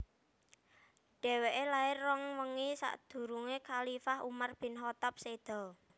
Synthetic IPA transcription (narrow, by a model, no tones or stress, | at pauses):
ɖ̥ɛ̤weʔelaɪrːɔŋwəŋisa̰ʔd̪̥ṳɾuŋekalifaɦṵmarb̥ɪ̤nɦɔt̪ap̚sed̪̥ɔ̤